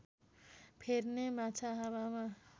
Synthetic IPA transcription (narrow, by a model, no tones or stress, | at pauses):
pʰernemat͡sʰaɦawama